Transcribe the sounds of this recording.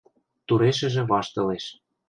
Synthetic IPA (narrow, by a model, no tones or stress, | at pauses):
t̪uɾeʃɘ̆ʒĕβɑʃt̪ɤ̆leʃ